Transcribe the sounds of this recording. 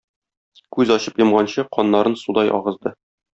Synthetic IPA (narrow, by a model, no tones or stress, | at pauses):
kʉzɒɕɤpjɤ̆mʁɑnɕɤqɒnːɑɾɤnsud̪ɑjʔɒ̰ʁɤ̆zd̪ɤ